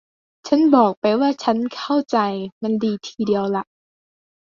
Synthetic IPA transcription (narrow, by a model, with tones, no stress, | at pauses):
t͡ɕʰa˦˥nbɔː˨˩k̚pa˧jwaː˥˩t͡ɕʰa˦˥nkʰa˥˩wt͡ɕa˧jma˧ndiː˧t̪ʰiː˧di˧əwla˧˩ʔ